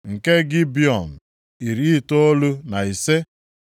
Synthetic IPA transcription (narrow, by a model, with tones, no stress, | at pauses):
ŋ̩˨ke˦ɡɪ˦bjɔ˨m̩˨ | i˨ɾi˨˦i˦˨to˦o˦lu˦na˨i˨se˦